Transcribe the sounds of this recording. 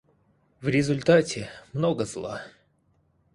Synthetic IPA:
vɾʲɪzʊlʲt̪atʲɪmnoɡəzlˠa̰

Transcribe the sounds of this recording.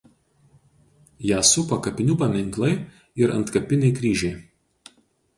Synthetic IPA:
jæːsʊpɐkɐpʲɪnʲuːpɐmʲɪŋˑklˠɐɪ | ɪɾʔɐ̰nt̪kɐpʲɪnʲɛɪkɾʲiːʒʲɛɪ

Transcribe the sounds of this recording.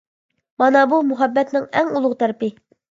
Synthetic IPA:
mɑnɑbumuɦɑbːɛt̪nɪŋɛŋulˠʊʁt̪ʰæɾpɪ

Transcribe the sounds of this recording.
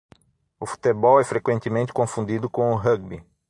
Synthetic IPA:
ʊfu̥t̪ebɔwɛfɾekwẽnt̪ɪmẽnt̪ɪ̥kõfũnd̪id̪ʊkõʊɦɐɡ̚bi

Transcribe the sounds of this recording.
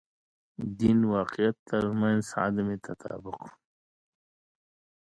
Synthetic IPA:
d̪inwɑːqijat̪ːaɾmãnzɑ̰d̪amet̪ʰat̪ʰa̰ːbʊq

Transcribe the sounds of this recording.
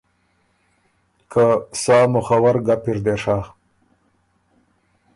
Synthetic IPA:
kʰasaːmʊxawaɾɡapɪɾd̪eʂa

